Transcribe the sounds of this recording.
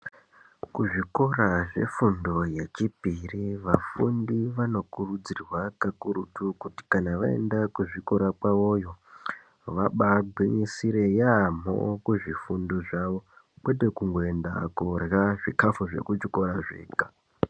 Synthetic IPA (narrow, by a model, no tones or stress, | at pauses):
kuʐiko̞ɾaʐe̞̰fundo̞jet͡ʃipiriʋafundiʋano̞kurud͡zirwakakuɾutukuti̥kanaʋae̞̰ndakuʐiko̞ɾapwaʋo̞jo̞ | ʋaɓaɡʱwiɲisiɾe̞jam̤o̰kuʐifundo̞ʐaʋo̞ | kwe̞de̞kuŋɡoe̞nda̰kurjaʐikafuʐe̞̰kut͡ʃiko̞ɾaʐe̞̰ːkḁ